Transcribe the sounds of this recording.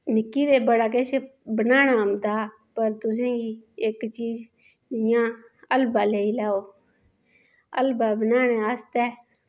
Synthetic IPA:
nɪkːiːɾeːbəɽaːk̬et͡ʃebənaːnaːmd̪aː | pəɾt̪ʊs̬ẽːɡiːɪkt͡ʃiːz | d͡ʒɪjãː | əlbaːleːiːlɛːoː | ə̰lbaːbənaːnẽːəst̪ɛː

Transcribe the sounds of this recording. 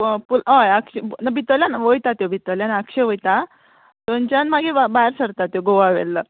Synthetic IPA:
pulaəkɕenabʱit̪əljanaʋojt̪at̪jobʱit̪əljanəkɕeʋojt̪a | t̪ont͡ɕjanmaɡeabaɾsəɾt̪at̪joɡoʋaʋḛlːə

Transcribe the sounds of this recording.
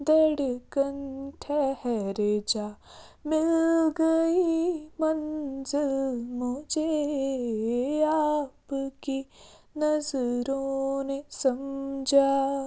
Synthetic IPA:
d̪ɛɽkɐnʈʰɛhɛɾed͡ʒaː | mɪlɡɐimɐnzɪlmʊd͡ʒʱe | aːpki | nɐzɾõnesɐmd͡ʒʱaː

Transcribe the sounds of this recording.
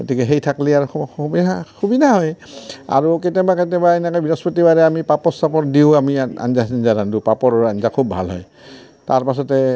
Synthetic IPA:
ɡotikɛɦejtʰakliaɹbiaxʰubidʱaɦɔja̰ɹuketɛbaketɛbaenɛkɔjbiɹɔspɔtibaɹɛamipapɔsapɔtdiʊ̃amia̰nzasinzaɾandupapɔɹɔanzakʰub̚ʱa̰lɦɔ̰j | taɹpas̬ɔtɛ

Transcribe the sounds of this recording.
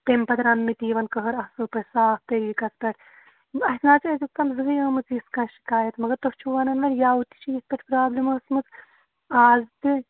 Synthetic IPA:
t̪empɐt̪ɾɐnmit̪iːʋɐnkɐɦɐɾɐhsɨːpɐsaːfp̪eɾikɐt͡spɐʈʰ | ɐɦʲt̪naːt͡sɐzʲik̚t̪ɐmzɨɦjɐːmɨt͡sjiskãːʃi̥kaːjɐt̪mɐɡɐɾt̪ɐft͡ʃʰuʋɐnɐnʋɐɾjaːut̪i̥t͡ʃʰijispʲɐʈʰpɾaːblimɐːsmɨt͡s | aːzt̪ɨ

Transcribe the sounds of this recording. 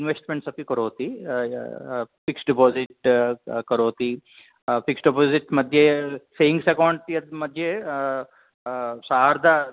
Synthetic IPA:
inʋesʈmeɳʈsɐpikɐɾoːt̪i | piksɖipoːziʈkɐɾoːt̪i | piksɖipoːziʈmɐd̪ʱjesejiŋɡsekoːɳɖ̪ijɐd̪mɐd̪ʱje | saːɾd̪ɐ

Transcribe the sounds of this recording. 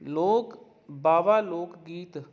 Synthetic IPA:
loːk | baːʋaːloːkɡiːt̪

